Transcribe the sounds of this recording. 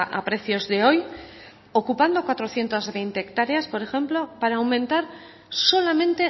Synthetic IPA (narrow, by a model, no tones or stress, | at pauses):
ʔa̰pɾe̞θjo̞zðeoj | okupand̪okwat̪ɾoθje̞nt̪azβejnt̪eːkt̪aɾeaspo̞ɾexe̞mplopaɾaːwmẽnt̪aɾ | so̞lamẽnt̪e̞